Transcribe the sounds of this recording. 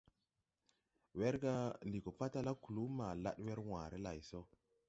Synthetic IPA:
we˦ɾɡa˦ndi˨ko˨pa˦ta˦la˦ku˨lu˦ma˨la̰˦ɗwe˦ɾwã˨ɾe˦la˨jso˦

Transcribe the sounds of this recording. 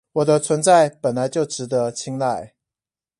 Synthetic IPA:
wɔ˨˩d̪ə˦t͡sʰwə˧˥nt͡sa˥˩ɪpə˨˩nla˧˦ɪt͡ɕjo˥˩ʊʈ͡ʂɻ̩˧˥d̪ə˧˦t͡ɕʰi˥ŋla˥˩ɪ

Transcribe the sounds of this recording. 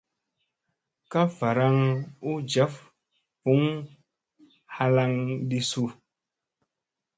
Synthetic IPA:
ka˦va˨ɾa˦ŋu˦d͡ʒa˨˦f | vu˨˦ŋ | ha˦la˦˧ŋdi˦su˦˨

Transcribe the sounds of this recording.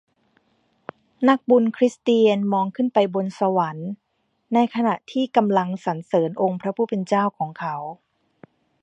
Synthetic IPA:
na˦˥k̚bu˧nkʰɾi˦˥st̪iː˧ənmɔː˧ŋkʰɯ˥˩npa˧jbo˧nsa˧wa˩˦nː | a˧jkʰa˧na˨˩ʔt̪ʰiː˥˩ka˧mla˧ŋsa˩˦nsɤː˩˦nʔo˧ŋpʰɾa˦˥pʰuː˥˩pe˧nt͡ɕaː˥˩wkʰɔː˩˦ŋkʰa˦˥w

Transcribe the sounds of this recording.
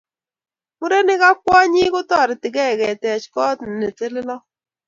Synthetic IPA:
mu˦ɾe˦nɪ˦ka˦k̚wɔ˦ɲi˦kʊ˦tɔ˦˨ɾɪ˨tɪ˨kɛ˦˨kɛ˨tɛ˨t͡ʃkɔ˦tn˨ne˨te˦lɪ˦lɔ˦

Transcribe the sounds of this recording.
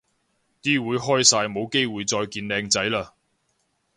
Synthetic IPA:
t̪iː˥wuː˨˧jɦɔː˥jsaː˧jmo˨˧wke˥jwuː˨˧jt͡sɔː˧jkiː˧nlɛː˨˧ŋt͡sɐ˨˥jlaː˧

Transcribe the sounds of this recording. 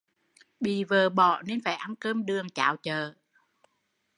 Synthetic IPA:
ɓḭ˧˨vəː˨˩ɓɔ̰˧˩˨ne˧nfaː˧˩jʔa˧nkəː˧mɗɨ˨˩əŋt͡ɕa̰ː˧˨˩wt͡ɕəː˧˨

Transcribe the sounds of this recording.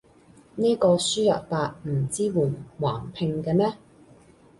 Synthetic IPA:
niː˥kɔː˧syː˥jɐ̰˨t̚paː˧t̚m̩˨˩t͡siː˥wuː˨˩nwaː˨˩npʰɪ˧ŋkɛː˧mɛː˥

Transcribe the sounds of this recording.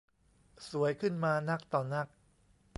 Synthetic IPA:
su˨˩˦əjkʰɯ˥˩nmaː˧na˦˥k̚t̪ɔː˨˩na˦˥˩k̚

